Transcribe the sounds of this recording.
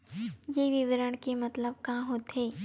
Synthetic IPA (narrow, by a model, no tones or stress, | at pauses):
jeʋɪʋəɾəɳ̃kemɐt̪ləb̚kãːɦot̪ɦeː